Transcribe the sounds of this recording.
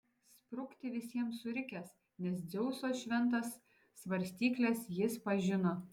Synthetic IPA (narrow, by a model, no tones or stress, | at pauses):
spɾʊkt̪ʲɪʋʲɪsʲiɛmsʊɾʲɪkʲɛs | nʲɛsd̪zʲɛʊsoːʃʲʋʲɛnt̪ɐsː | ʋɐɾʲsʲt̪ʲiːklʲesjɪspɐʒʲɪnoː